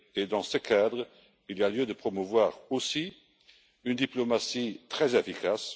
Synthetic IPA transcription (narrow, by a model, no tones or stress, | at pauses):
ed̪ɑ̃səkʰad̪ʁə | ilialjød̪əpχɔmuvwaːʁosi | ynd̪iplomasit̪χɛzefikas